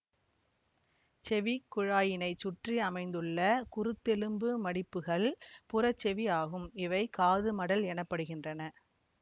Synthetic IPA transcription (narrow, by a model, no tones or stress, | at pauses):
t͡ʃɛʋikːʊɻaːjɪnɐɪt͡ʃːʊʈriɐmɐɪnd̪ɯɭːɐkʊɾɯt̪ːɛlɯmbɯmɐɽɪpːɯɣɐɭpʊrɐt͡ʃːɛʋiaːɣɯmɪʋɐɪkaːðɯmɐɽɐlɛnɐpːɐɽɯɣɪndrɐnɐ